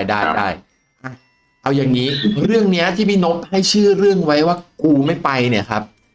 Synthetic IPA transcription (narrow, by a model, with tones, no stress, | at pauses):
jdaː˥˩jda̰ː˥˩j | ʔa˧˩ | ʔa˧wjaː˨˩ŋːiː˦˥ɾɯ˥˩əŋni˦˥ɐt̪ʰiː˥˩miː˧no˦˥t̪̚ha˥˩jt͡ɕʰɯː˥˩ɾɯ˥˩əŋwa˦˥jwaː˥˩kuː˧ma˥˩jpa˧jni˥˩ɐkʰa˦˥p̚